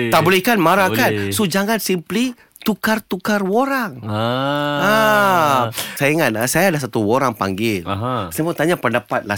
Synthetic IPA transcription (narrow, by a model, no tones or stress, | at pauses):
t̪abulikanmaɾakansod͡ʒaŋansimpli | t̪ukart̪ukarwoɾaŋ | a | sajaiŋat̪asajaːdas̬at̪uwoɾaŋpa̰ŋɡɪlsajamaŋt̪aɲapəndapat̪̚la